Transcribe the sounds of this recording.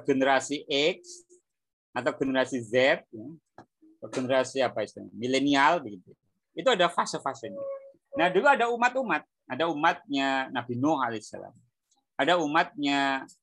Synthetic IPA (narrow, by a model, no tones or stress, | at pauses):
ɡənəɾasiʔɛk̚s | at̪awɡənəɾasizɛt̪̚ja | at̪aɡənəɾasiapaist̪ṵmilenialbəɡit̪u | it̪uadafasəfasəɲa | nahd͡ʒuɡaːdaumat̪umat̪̚ | adaumat̪̚ɲanabinɔhalesa̰la̰m | adaumat̪̚ɲa